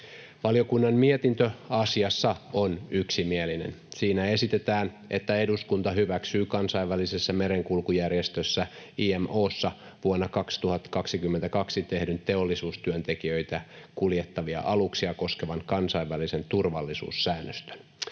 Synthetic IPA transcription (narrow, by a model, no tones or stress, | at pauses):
ʋɑlijokunːɑmmiet̪int̪øɑsiɑsːɑonyksimielinḛnsiːnæe̞sit̪et̪æːn | ʔet̪ːæeduskunt̪ɑɦyʋæksyːkɑnsɑiʋʋælisesːæmeɾeŋkulkujærjest̪øsːæiemʔoːsːɑ | ʋuonːɑkɑkst̪uhɑt̪ːkɑksikymːent̪ækɑksit̪e̞hdynt̪e̞olːisuːst̪yønt̪e̞kiøijt̪ækuljet̪ːɑʋiɑ̰ʔɑluksiɑko̞skeʋɑŋkɑnsɑiʋːælise̞nt̪urʋɑlːisṵːsːæːnːøst̪ø̥n